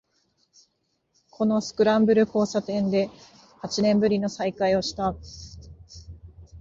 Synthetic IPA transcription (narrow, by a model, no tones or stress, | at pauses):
kʰo̞no̞sɨ̥kɯ̟ɾãmbɯ̟ɾɯ̟ko̞ːsat̪ẽ̞nd̪e̞ | hat͡ɕinẽ̞mbɯ̟ɾʲino̞saikaio̞ɕi̥t̪a